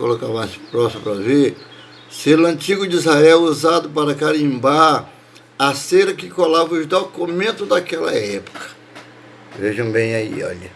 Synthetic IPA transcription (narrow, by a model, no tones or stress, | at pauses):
ko̰lokavãspɾɔsmpɾɐve | selʊɐ̃nt͡ʃiɡʊd͡ʒizhaɛwuzad̪ʊpaɾɐkaɾĩba | aseɾɐkɪkolavɐʊʒd̪okumẽnt̪ʊd̪akɛlɐ̰ɛpʊ̥kɐ̥ | veʒɐ̃w̃bẽj̃aḭɔ̰ʎɐ